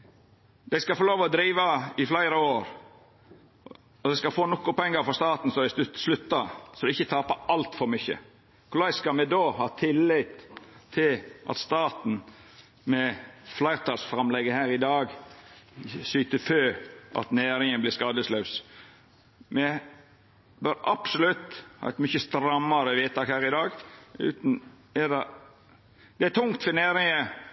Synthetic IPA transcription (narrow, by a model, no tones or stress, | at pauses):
d̪æɪskɑfɔɾloːʋɔd̪ɾiːʋɑɪflæɪɾəoːɾ | ɔd̪ɛɪskɑfoːnɔkːʊpɔɛŋːəɾfɔɾst̪ɑːt̪n̩sɔd̪æslʉt̪ːɑsɔd̪ɛɪçːət̪ʰɑːpɑʔɑlt̪fɔɾmʏçːə̰ | kʰʊlæɪskɑlmɛd̪oːhɑːt̪ʰɪlːɪt̪t̪ʰːɪlʔɑ̰t̪st̪ɑːt̪n̩ | mɛflæɪɾt̪ʰɑːlsfɾɑmlɛɡəhæːɾɪd̪ɑːɡ | syːt̪əføːʔɑ̰t̪neːɾɪŋənblɪɾskɑːd̪əslɑʉs | mɛ | bøɾɑ̰psɔlʉt̪ːhɑ̰ːɛt̪mʏçəst̪ɾɑmːɑɾəʋiːt̪ʰɑːkhæːɾɪd̪ɑːɡʉ̰ːt̪n̩ | ɛd̪ɑ | d̪̥ɛæt̪ʰʊŋt̪fəneːɾɪŋə